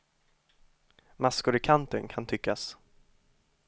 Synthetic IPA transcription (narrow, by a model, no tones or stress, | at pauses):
maskʊɾɪkʰant̪ənkʰant̪ʰʏkːas